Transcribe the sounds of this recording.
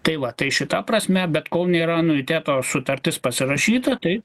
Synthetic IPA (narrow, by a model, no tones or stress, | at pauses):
t̪ɐɪʋɐt̪ɐɪʃʲɪt̪ɐprɐsʲmʲɛbʲɛt̪koːlˠnʲeːɾɐnʊɪt̪ʲæːt̪oːsʊt̪ɐɾʲt̪ʲɪspɐsʲɪrɐʃʲiːt̪ɐt̪ɐɪ